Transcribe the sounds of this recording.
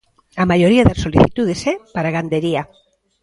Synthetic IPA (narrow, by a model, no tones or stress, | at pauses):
amajo̞ɾiaðeɾso̞liθit̪uðesepaɾaɣand̪e̞ɾia